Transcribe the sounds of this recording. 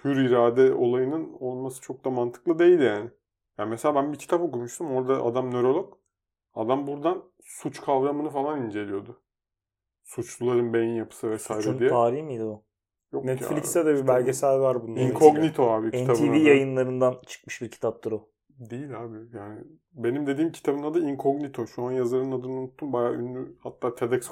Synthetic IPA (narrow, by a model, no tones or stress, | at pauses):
pʰyɾiɾaːd̪ɛo̞lˠajɯnɯno̞lˠmasɯ̥t͡ʃʰo̞k̚d̪amant̪ʰɯ̥klˠɯd̪e̞jilʲijaːnɪ | jamɛselʲaːbænbicʰi̥t̪ʰapo̞kuɾmuʃt̪ʰumo̞ɾd̪aʔa̰d̪amnøɾo̞lˠok | ad̪ambuɾd̪an | sut͡ʃkʰavɾamɯnɯfalˠanind͡ʒe̞lʲijo̞d̪ʊ | sut͡ʃlˠulˠaɾɯnbejinjapʰɯ̥sɯvɛsaːiɾɛndijɛt̪ʰaːɾiçmid̪iu | joknɛt̪flʲikst̪ɛd̪ɛbibælʲɟe̞sælʲvaɾbunːaiŋkʰoɡnit̪ʰoaːbiɛɲʰabɯivijajɯnlˠaɾɯnd̪ant͡ʃʰɯ̥kmɯʃbiɾcʰi̥t̪ʰap̚t̪ʰuɾo | d̪ejilʲaːbijaːnɪ | be̞nimd̪e̞d̪iːmcʰi̥t̪ʰabɯnad̪ɯiŋkʰo̞ɡnit̪ʰo̞ʃuanjazˠaɾɯnad̪ɯnunut̪ʰːumbajaːynːʲyhat̪ʰːaːt̪ʰe̞d̪ɛks